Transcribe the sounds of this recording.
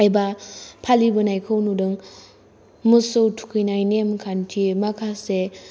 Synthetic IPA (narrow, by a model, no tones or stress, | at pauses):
ajbapʰalibɯnajkʰɯwnudɯŋ | mɯsowtʰu̥kʰɯjnajnemkʰantʰimakʰase